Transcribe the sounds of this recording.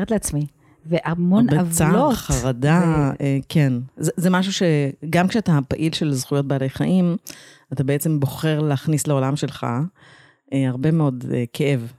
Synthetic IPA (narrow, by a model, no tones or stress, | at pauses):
etleat͡smi | veʔamonbeavt͡saoχaʁadaekʰenzɛzemaʃ̬uʃe̞ɡamkʃeatapaʔilʃe̞lzχujo̞t̚baːlejχaʔim | atabeet͡sembo̞χe̞ʁleːχnisleo̞lamʃelχa̰ | eaʁbe̞meo̞dekʰeʔe̞v